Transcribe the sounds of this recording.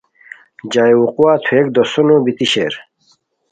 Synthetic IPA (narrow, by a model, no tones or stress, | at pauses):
d͡ʑajwuquwaːt̪ʰuek̚d̪osunobit̪iɕeːɾ